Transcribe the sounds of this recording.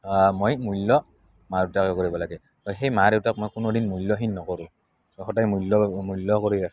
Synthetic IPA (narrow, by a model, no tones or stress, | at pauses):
mojmujlːɔ | maɹetakɛkoɹibɔlaɡɛ | hɔjxejmaɾewtak̚mojkʊnodinmujlːɔɦinːɔkɔɹũ | sɔxɔtajmulːɔmulːɔkoɹia